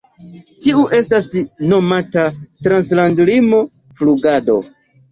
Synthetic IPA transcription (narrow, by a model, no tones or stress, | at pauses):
tiuʔe̞stasno̞matatɾanslandlimo̞ | fluɡado̞̰